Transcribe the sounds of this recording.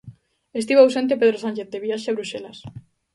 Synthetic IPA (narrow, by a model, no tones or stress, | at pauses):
est̪iβawsent̪̬epeð̞ɾosãnʲt͡ʃeθd̪eβiaʃeaβɾuselas